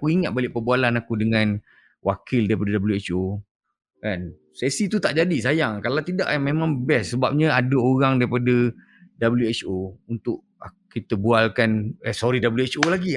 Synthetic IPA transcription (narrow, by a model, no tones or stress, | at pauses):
akuiŋat̪̚balɪʔpəbualanakudəŋãn | wʔakɪldaɾipadədabəljuet͡ʃo | kan | sesit̪ut̪aʔd͡ʒadisajaŋkalawt̪ida̰ʔmemãŋbɛsːəbap̚ɲə̃adəoɾaŋdaɾipadə | dabəljuet͡ʃount̪ʊʔ | akit̪əbualkanəsɔɾidabəljuet͡ʃolaɡi